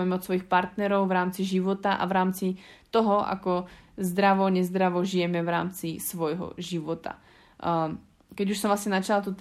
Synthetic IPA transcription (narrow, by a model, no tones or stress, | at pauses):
ɛmɛɔt̪sʋɔjixpaɾt̪nɛɾɔwvɾaːmt͡siʒiʋɔt̪aʔa̰vɾaːmt͡sit̪ɔɦɔʔa̰kɔzd̪ɾaʋɔɲɛzd̪ɾaʋɔʒijɛmɛvɾaːmt͡sisʋɔjɦɔ̰ʒiʋɔt̪a̰ | kɛɟuʃsɔmvlasɲɛnat͡ʃalt̪ut̪